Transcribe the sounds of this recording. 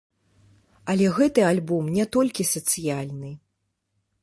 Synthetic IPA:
ɐlʲɛɣɛt̪ɨalʲbɔmnʲɛt̪ɔlʲkʲisɐt̪sɨjalʲnɨ

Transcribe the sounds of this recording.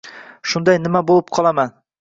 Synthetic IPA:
ʃʊnd̪ɑjnɪmabolˠɪp̚qʰɒlˠaman

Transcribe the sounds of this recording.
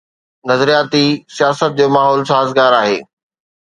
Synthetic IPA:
nɐzɾijaːt̪isijaːsət̪̚d͡ʑoːmaːɦɔːlsaːɦəzɡaːɾaːɦḛː

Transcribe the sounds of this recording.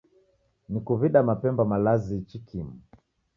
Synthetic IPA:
nikuviɗamapɛmbamalazit͡ʃikʰimu

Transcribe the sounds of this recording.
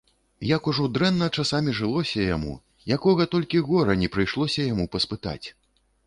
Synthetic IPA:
jɐkuʐɔd̪ɾɛnːɐt͡ʂasamʲiʐɨlˠɔsʲɐja̰mṵ | jakɔɣɐt̪ɔlʲkʲiɣɔɾɐnʲɛpɾɨjʂlˠɔsʲɐjamupɐspɨt̪a̰t͡sʲ

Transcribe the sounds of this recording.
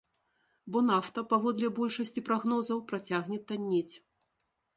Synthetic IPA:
bɔnaft̪ɐpavɔd̪lʲɛbɔlʲʂɐsʲt͡sʲipɾaɣnɔzɐwpɾat͡sʲaɣnʲɛt̪ːanʲːet͡sʲ

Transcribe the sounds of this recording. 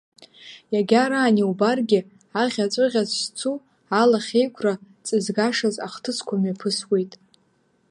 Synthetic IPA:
jaɡʲaɾaːniubarɡʲɪ | aʁʲat͡sʷʼɨʁʲazst͡sʰu | alaχʲejkʷʰra | t͡sʼɨzɡaʂaza̰χtʰɨsʰkʷʰamɥapʰɨswe̞jtʼ

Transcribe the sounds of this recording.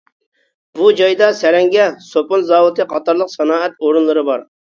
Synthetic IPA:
bud͡ʒɑjd̪ɑsɛɾɛŋɡʲɛsopʊnzɑːwɨt̪ɨqʰɑt̪ɑɾlˠəqsɑnɑːɛt̪oɾunlˠɨɾɨbɑɾ

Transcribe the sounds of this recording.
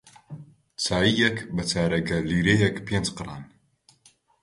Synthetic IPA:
t͡sʰaːjijɛkbɐt͡sʰaːɾɐɡɐliːɾejɛkpʰend͡ʒqɨɾa̰ːn

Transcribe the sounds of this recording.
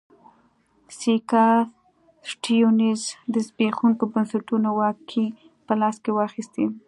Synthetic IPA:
sikɑ | ʈijonizd̪əzbexuŋkobansaʈunowɑkʰːi | pəlɑskewɑxist̪i

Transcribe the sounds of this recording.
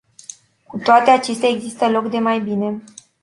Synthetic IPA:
kut̪oat̪e̞at͡ʃe̞st̪ʲaeɡzist̪əlokd̪e̞majbine̞

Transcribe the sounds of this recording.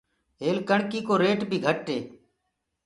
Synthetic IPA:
ɦeːlkəɳkiːkoːɾeːʈbʱiːɡʱəʈːeː

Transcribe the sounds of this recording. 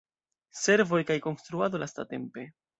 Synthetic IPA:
se̞ɾvo̞jkajko̞nst̪ɾuado̞lʔasta̰te̞̰mpe̞

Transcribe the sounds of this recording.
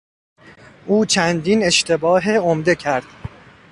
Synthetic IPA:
ʔuːt͡ʃʰænd̪ine̞ʃt̪ʰe̞bɒːɦeomd̪e̞cʰæɾd̪̥

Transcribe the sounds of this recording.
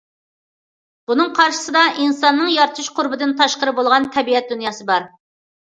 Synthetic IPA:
b̥unɨŋqʰɑɾʃɨ̥sɨd̪ɑʔinsɑnːɨŋjɑɾt̪ʰuʃqʰʊɾbɪd̪ɨnt̪ʰɑʃqəɾɨbolˠʁɑnt̪ʰɛbiɛt̪̚d̪unjɑːsɨbɑɾ

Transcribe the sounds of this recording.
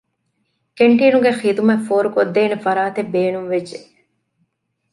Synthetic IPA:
keɳʈiːnuɡexiːd̪umɐfoːɾukod̪ːeːnefɐɾaːt̪ebːeːnumʋed͡ʒd͡ʒːe

